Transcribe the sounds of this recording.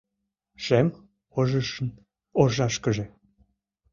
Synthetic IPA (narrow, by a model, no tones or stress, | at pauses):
ʃem | oʒəʃən | orʒɑʃkəʒe